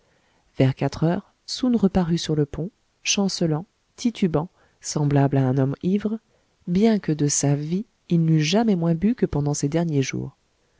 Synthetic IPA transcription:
vɛʁkat̪χœːʁ | sunʁəpaʁysyʁləpɔ̃ | ʃɑ̃səlɑ̃ | t̪ʰit̪ʰybɑ̃ | sɑ̃blablaɛ̃nɔmivʁ | bjɛ̃kəd̪əsavi | ilnyʒamɛmwɛ̃bykəpɑ̃d̪ɑ̃sed̪ɛʁnjeʒṵːʁ

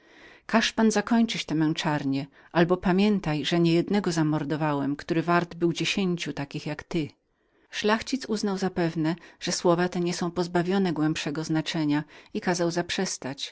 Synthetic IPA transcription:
kaʂpanzakɔɲt͡ʂɘt͡ɕt̪ɛmɛnt͡ʂaɾɲɛ | ʔalbɔpamʲjɛnt̪ajʐɛɲɛjɛd̪nɛɡɔzamɔɾd̪ɔvawɛmkt̪uɾɘvaɾd̪bɘwd͡ʑeɕeɲt͡ɕut̪akʲixjakt̪ɘ | ʂlaxt͡ɕit̪suznawzapɛvnɛʐ̥ɛswɔvat̪ɛɲɛsɔ̃w̃pɔzbavʲjɔnɛɡwɛmpʂɛɡɔznat͡ʂɛɲaikazawzapʂɛst̪at͡ɕ

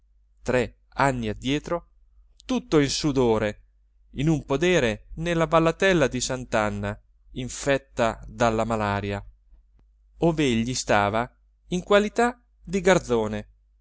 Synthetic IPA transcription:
t̪ɾɛ | anːiad̪jɛːt̪ɾo | t̪ut̪ːoinsud̪oːɾe | inumpod̪ɛːɾenelːabalːat̪ɛlːad̪isant̪anːa | iɱfɛt̪ːad̪alːamalaːɾja | oːveeʎːist̪aːva | iŋkwalit̪a | d̪iɡard̪zoːne

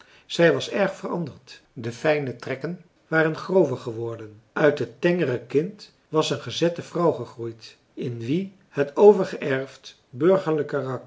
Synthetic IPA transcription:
z̥ɛjʋɑsɛɹχfərɑ̰ndəɹt | dəfɛjnətrɛkən | ʋaːrənχrowvəɹχəʋɔɹdən | œɥtɦətɛŋərəkɪnt | ʋɑsənχəzɛtəvrɑwχəχrujt | ɪnʋi | hətʰowvəɹχəʔɛɹft | bɵɹχəɹləkərɑk

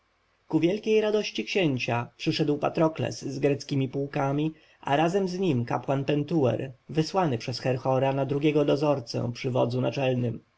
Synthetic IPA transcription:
kuvʲjɛlkʲejɾad̪ɔɕt͡ɕikɕeɲt͡ɕapʂɘʂɛd̪wpat̪ɾɔklɛ̰sːɡɾɛt̪skʲimʲipuwkamʲi | ʔa̰ɾazɛmzɲimka̰pwanpɛnt̪uwɛ̰ɾvɘswanɘpʂɛsxɛɾxɔɾanad̪ɾuɡʲjɛɡɔd̪ɔzɔɾt̪sɛ̰pʂɘvɔd̪zunat͡ʂɛlnɘm

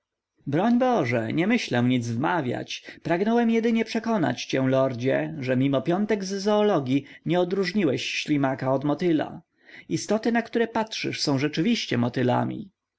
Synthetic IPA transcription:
bɾɔɲbɔʐɛ̰ɲɛmɘɕlɛmɲid̪zvmavʲja̰t͡ɕpɾaɡnɔwɛmjɛd̪ɘɲɛpʂɛkɔna̰t͡ɕt͡ɕɛ̃lɔɾd͡ʑɛʐɛmʲimɔpʲjɔnt̪ɛɡzzɔːlɔɡʲjiɲɛɔd̪ɾuʐɲiwɛɕɕlʲimakaɔd̪mɔt̪ɘla̰ | ist̪ɔt̪ɘnakt̪uɾɛpatʂɘ̰ʂsɔ̃w̃ʐɛt͡ʂɘvʲiɕt͡ɕɛmɔt̪ɘla̰mʲḭ

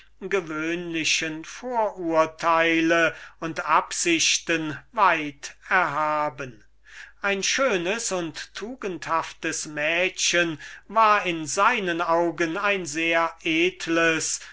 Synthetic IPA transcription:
ɡəvøːnlɪɕənfoːɐʔuːɐtʰaɪləʊntʔapz̥ɪɕtənvaɪtɛɐɦaːbən | ʔaɪnʃøːnəsʊnttʰːuːɡənthaftəsmɛːɕənvaːɐɪnzaɪnənaʊɡənaɪnzeːɐʔeːtʰləs

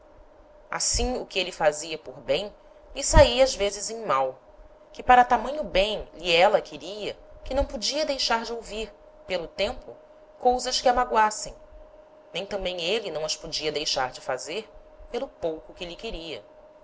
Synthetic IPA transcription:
a̰sĩʊkɪelɪfaziɐpoɾbẽj̃ | lɪsaiazvezɪzẽj̃maw | kɪpaɾɐt̪amɐ̃ɲ̃ʊbẽj̃liɛlɐkʰɪɾiɐ | kɪnɐ̃w̃pod͡ʒiɐd̪ejʃaɾd͡ʒɪowviɾ | pelʊt̪ẽmpʊ | kowzɐʃkɪamaɡwasẽj̃ | nẽj̃t̪ɐ̃mbẽj̃elɪnɐ̃w̃ɐʃpod͡ʒiɐd̪ejʃaɾd͡ʒɪfazeɾ | pelʊpowkʊkɪlɪkɪɾiɐ

